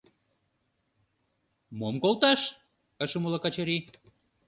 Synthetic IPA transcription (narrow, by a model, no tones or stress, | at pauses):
momkolˠt̪ɑʃ | əʃəməlɑkɑt͡ɕeɾi